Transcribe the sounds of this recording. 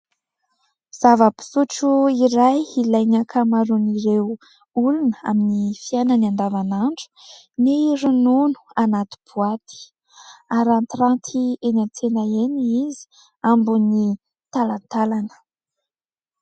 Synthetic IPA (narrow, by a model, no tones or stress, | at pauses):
z̥avəpi̥suʈ͡ʂuiɾajilajnakʰamaɾuniɾew | ulunəa̰minifiananiand̪avanaɳɖ͡ʐu̥ | neiɾununu̥anat̪u̥b̥uat̪i̥ | aɾant̪rant̪ʰienat͡senaeniizi̥ | ambuni | t̪alant̪alanə̥